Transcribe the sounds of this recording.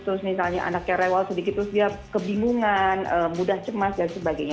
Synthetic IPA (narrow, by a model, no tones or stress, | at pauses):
t̪ɾʊsmisalɲaʔa̰nak̚jaɾewalsədikɪt̪ːɾʊsdiakəbiŋuŋanəbudaht͡ʃəmasdanisəbaɡajɲa